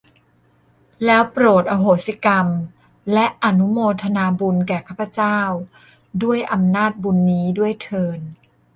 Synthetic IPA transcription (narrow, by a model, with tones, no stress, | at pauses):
lɛː˦˥wpɾoː˨˩t̪̚ʔa˧ɦoː˩si˦ka˧m | lɛ˦˥ʔa˧nu˦˥moː˧t̪ʰa˧naː˧bu˧nkɛː˨˩kʰaː˥˩pʰːa˧˩t͡ɕaː˥˩w | du˥˩əjʔa˧mnaː˥˩t̪̚bu˧nːiː˦˥du˥˩əjt̪ʰɤː˧n